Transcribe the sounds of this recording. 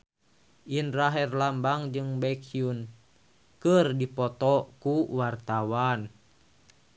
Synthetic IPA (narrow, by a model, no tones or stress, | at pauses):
ʔinraɦɛrlambaŋd͡ʒɨŋbɛkiun | kərdipɔt̪ɔkuwart̪awan